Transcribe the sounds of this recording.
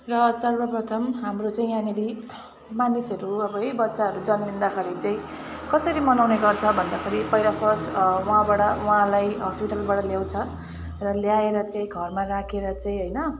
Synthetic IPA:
rʌsʌrbʌprʌt̪ʰʌmɦamrot͡saĩjãneɽi | manisʌɾuʌbʌebʌtːsaɦʌɾud͡zʌnbind̪akʰʌɾit͡saĩ | kʌsʌɾimʌnawneɡʌrt͡sʰʌbʱʌnd̪akʰʌɾipʌjlapʰʌsʈwʌɦãbaʈʌwʌɦãlajɦʌspiʈalbaʈʌljaw̃t͡sʰʌ | rʌljaeɾʌt͡sãĩɡʱʌrmarakʰeɾʌt͡saĩɦʌjnʌ

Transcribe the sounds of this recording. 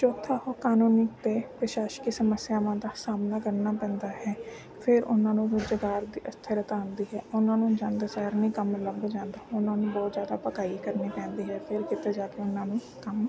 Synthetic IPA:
t͡ʃoːt̪ʰːaːɦoːkaːnoːnɪk̚t̪eːpɾəʃaːʃkiːsəməsjaːʋãːd̪aːsaːmnaːkəɾnaːpɛ̃ːnd̪aːɦɛː | pʰɪɾʊnãːnũːɾʊd͡ʒəɡaːɾd̪iːʔəst̪ʰəɾət̪ãːnd̪iːɦɛːʊnãːnũd͡ʒãːnd̪esaːɾnĩːkəmləbd͡ʒãːnd̪aːʊnãːnũːbɔːt̪zjaːd̪a̰ːpəkaːikəɾneːpɛ̃ːnd̪iːɦɛːpʰɪɾkɪt̪eːd͡ʒaːkeʊnãːnũː | kəm

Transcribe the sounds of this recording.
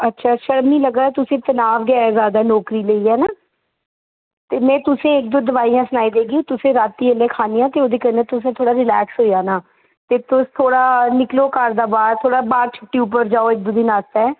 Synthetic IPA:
ətːʃʰaːʃəɾmiːləɡaːɛt̪ʊsẽːt̪ənaːʋɡɛaɛzjaːd̪aːnɔːkɾiːləiːɦɛːnaː | t̪eːmɛ̃ːt̪ʊsẽːɪk̚d̪oːd̪əʋaːijãːsʊnaːiːd̪eːɡiũːt̪ʊsẽːɾaːt̪ːiːəleːkʰaːnijãːt̪eːoːd̪eːkənɛ̃ːt̪ʊsẽːt̪ʰoːɽaːɾɪlɛːksɦoːijaːnaː | t̪eːt̪ʊst̪ʰoːɽaːnɪkloːkaːɾd̪aːbaːɾt̪ʰoːɽaːbaːɾt͡ʃʰəʈːiːup̬əɾd͡ʒaːoːɪk̚d̪ʊd̪iːnaːst̪ɛː

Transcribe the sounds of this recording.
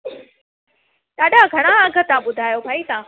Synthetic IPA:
ɗaːɗaɡʱɐɽ̃aɐɡʱə̆t̪ãɓʊd̪ʱaːjobʱaːit̪ãː

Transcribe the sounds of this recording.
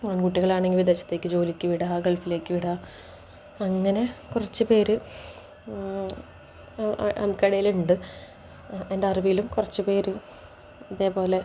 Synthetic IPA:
aːnkuʈːiɣɐɭaːɳe̞ŋɡilʋid̪et͡ɕːɐ̥t̪ːe̞ːkːɨd͡ʑo̞ːlikʲːɨʋiɽaɡeɭfile̞ːkʲːɨʋiɽa | ɐŋːɐne̞kurɐt͡ɕːɨpe̞ːɾɨ | ɐ̰mkːɐɽɐjiluɳɖɨ | endeɐribijilumkurɐt͡ɕːɨpe̞ːɾɨ | ɐðe̞ːpo̞ːle̞

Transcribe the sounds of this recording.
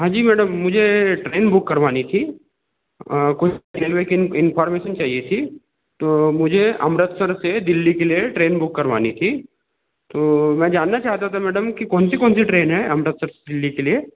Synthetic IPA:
ɦãːd͡ʒiːmɛːɖəmːʊd͡ʒʱeʈɾeːnbʊkːɐɾʋaːnit̪ʰi | kʊʈeːlʋekɪnfaːɾmeːʃənt͡ʃaːɦiet̪ʰi | t̪oːmʊd͡ʒʱeɐmɾət̪səɾsed̪ɪlːikelieʈɾeːnbʊkːɐɾʋa̰ːnit̪ʰi | t̪oːmɛ̃ːd͡ʒaːnːat͡ʃaːɦt̪at̪ʰamɛːɖəmkikɔːnsikɔ̃ːnsiʈɾeːnɦɛɐmɾət̪səɾse̥d̪ɪlːikelie

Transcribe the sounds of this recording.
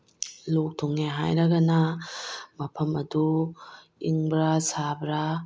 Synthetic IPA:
lok̚tʰuŋeɦa̰jɾɐɡɐnɐ | mɐpʰɐmɐdu | iŋbɾasabɾa

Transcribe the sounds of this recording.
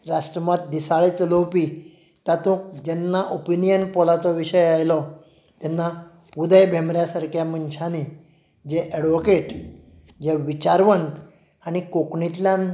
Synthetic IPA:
ɾaʂʈɾəmat̪̚d̪isaɭet͡səlowpi | t̪at̪õkd͡ʑɛnːaʔopinijənpɔlat͡sɔʋiɕəjajlɔ | t̪ɛnːa | ud̪əjbʱemɾjasaɾkʰjamənɕani | d͡ʑeʔɛɽʋokeʈ | d͡ʑeʋit͡ɕaɾʋənt̪ | aɽ̃ikokɳit̪ljan

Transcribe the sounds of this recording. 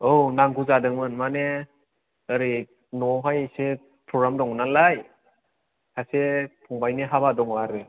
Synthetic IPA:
ownaŋɡuzadɯŋmɯnmane | əɾi | nɔɦajse | pʰɾɔɡɾamdɔŋnalaj | kʰasepʰɔŋbajneɦabadɔŋbaɾɯ

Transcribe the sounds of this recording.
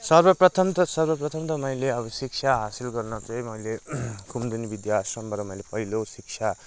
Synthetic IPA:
sʌrbʌprʌt̪ʰʌmt̪ʌsʌrbʌprʌt̪ʰʌmt̪ʌmʌjleʌbʌsik̚t͡ʃʰaɦasilɡʌrnʌt͡sʌ̃j̃mʌjlekʰumd̪unibid̪jasʌmbʌɾʌmʌjlepʌɦilosik̚t͡sʰa

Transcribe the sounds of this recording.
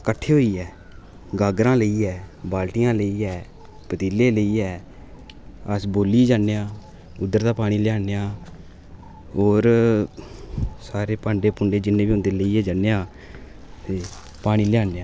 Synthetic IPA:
kəʈʰːeːɦoːiːɛː | ɡaːɡɾãːləiːɛːbaːlʈɪjãːləiːɛː | pət̪iːleːləiːɛː | əsboːliːd͡ʒaːnejãː | ʊd̪ːəɾd̪aːpaːɽ̃iːlɪjaːnejãː | oːɾ | saːɾeːpãːɳɖeːpʊɳɖeːd͡ʒɪnːẽːbiːɦʊ̃nd̪eːləiːɛːd͡ʒanːejãː | t̪eː | paːɽ̃iːlɪjaːneːãː

